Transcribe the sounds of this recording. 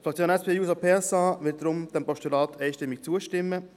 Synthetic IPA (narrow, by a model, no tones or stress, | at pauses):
flɑk̚t͡sjoːnɛspʰeːjuːsopʰeːɛsɑːʋɪlt̚dɾʊmd̥ɛnpɔʃtulɑːt̪ʰɛɪʃtɪmːɪk̚t͡suəʃtɪmːə